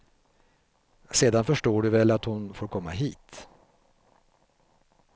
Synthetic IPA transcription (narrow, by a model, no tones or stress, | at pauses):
seːd̪anfœʂʈoːɖɵvɛlat̪hʊnfoːɾkʰɔmːa̰ɦiːt̪